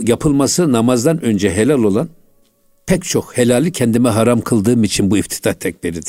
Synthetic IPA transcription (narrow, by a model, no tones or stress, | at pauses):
japʰɯlˠmasɯnamazd̪anø̞nd͡ʒɛɦe̞lʲalʲˠo̞lˠan | pʰɛct͡ʃʰo̞khe̞lʲaːlʲicʰɛnd̪imɛɦaɾamkʰɯlˠd̪ɯːmit͡ʃʰinbuift̪ʰi̥t̪ʰaht̪ʰɛc̚biɾid̪i